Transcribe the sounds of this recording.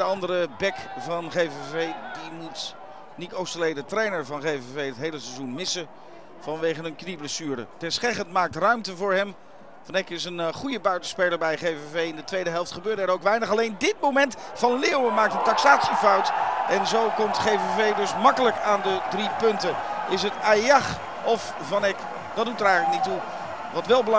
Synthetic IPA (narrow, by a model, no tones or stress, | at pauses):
dəɑndərəbɛkvɑnχejvevejdimut | nitowstəlejdətrejnəɹvɑnχejvevejətɦejləsɛzunmɪsə | v̥ɑnʋejχənənknibləsyːɾə̰tɛsχɛχəntmaːk̚trœɥmtəvʊːɹɦɛm | fɑnɛkɪs̬ənχujəbœɥtə̥spɛləɹbɛjχejvevejɪndətʋejdəɦɛlˠftχəbøːɹdəɛɹowkʋɛjnəχɑlejndɪt̚mowmɛntfɑnleːwəmaːktɦəntɑksaːtsifɑwtʔɛnzowkɔmtχejvevejdɵsmɑkələkaːndədripɵntəɪs̬ɦətajɑχ | ɔf | vɑnɛk | d̥ɑd̚utəɾɛjχələk̚nitu | ʋɑtʋɛlˠbəlɑ